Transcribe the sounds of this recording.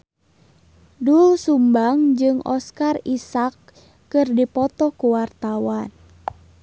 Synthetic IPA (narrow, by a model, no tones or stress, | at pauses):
dulsumbaŋd͡ʒɨŋɔskarisakː | ɨrdipɔt̪ɔkuwart̪awan